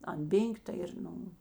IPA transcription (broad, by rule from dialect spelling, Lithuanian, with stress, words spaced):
ɐn ˈbʲeːŋʲkʲ tɐ ɪr ˈnʊ